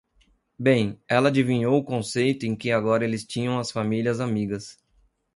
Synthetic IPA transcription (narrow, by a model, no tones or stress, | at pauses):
bẽj̃ɛlɐad͡ʒivĩɲowʊkõsejt̪ʊẽkɪaɡɔɾɐelɪst͡ʃĩɲɐ̃w̃ɐsfamiliɐzamiɡɐs